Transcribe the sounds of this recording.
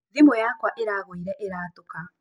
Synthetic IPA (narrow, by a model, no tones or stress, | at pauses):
ðimojakwaʔeɾaːɣoiɾɛʔeɾaːtoka